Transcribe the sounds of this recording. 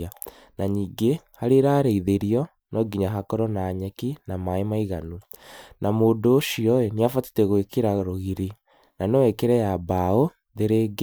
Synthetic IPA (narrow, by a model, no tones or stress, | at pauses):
a | naɲiːŋɡehaɾeɾaːɾeiðeɾiɔ | nɔɡiɲaɦakɔɾɔnaːɲɛkinamaemaiɣanunamoːndoːʃiɔeniafati̥tɛɣwekeɾaɾoɣiɾe | nanɛwɛkeɾɛjabao | ðeɾeɡe